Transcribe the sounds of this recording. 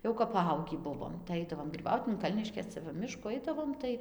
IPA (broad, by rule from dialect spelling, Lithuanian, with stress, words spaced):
ˈjɛʊ kɐp pɐˈɐʊɡʲiː ˈbʊʋoːm tɐɪ ˈɐɪdɐʋoːm ˈoːt ɪn ˈkɐlʲnʲɪʃʲkʲeːs ˈt͡sʲɛ ʋɐ ˈmʲɪʃkuː ˈɐɪdɐʋoːm tɐɪ